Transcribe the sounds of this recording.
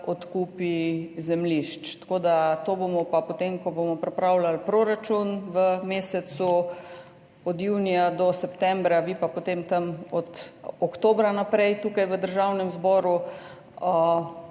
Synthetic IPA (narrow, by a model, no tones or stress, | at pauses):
ɔt̪kuːpizɛmliʃt͡ʃt̪ḁkoːd̪at̪obomɔpapot̪emkɔbomɔpɾɛpɾawlalpɾoɾat͡ʃunʋəmeːsɛt̪su | ɔd̪juːnijad̪ɔsɛpt̪ɛ̃mbɾaʋipapot̪eːmt̪ɐmɔt̪ɔkt̪oːbɾanapɾɛjt̪uːkajʋəd̪əɾʒawnɛmzbɔːɾu